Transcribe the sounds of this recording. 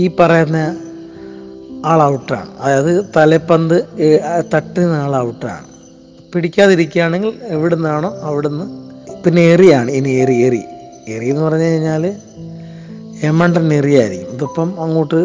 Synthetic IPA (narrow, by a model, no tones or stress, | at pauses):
iːpɐrɐjɐnːɐ | aːɭɐwuʈːa̰ːɳɨ̰ɐðajɐðɨt̪ɐlepːɐnd̪ɨt̪ɐʈːinːaːɭɐwuʈːa̰ːɳɨ | piɽikʲːaːðiɾikʲːuaːɳe̞ŋɡileʋiɽenːaːɳo̞ːɐʋiɽenːɨpinːeerijaːɳɨinierierḭ | erijːunːɨpɐrɐɲːɐkɐiɲːaːl | emːɐɳɖɐnerijaːjɐɾikʲːumɐðopːɐmɐŋːoːʈːɨ